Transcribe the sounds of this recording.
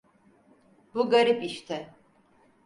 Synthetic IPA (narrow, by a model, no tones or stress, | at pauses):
buɡaɾipiʃt̪ʰɛ